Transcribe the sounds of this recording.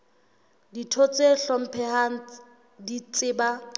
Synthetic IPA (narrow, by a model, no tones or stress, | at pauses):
ditʰot͡sʼeɬɔm̩pʰɛhan | dit͡sʼɪːba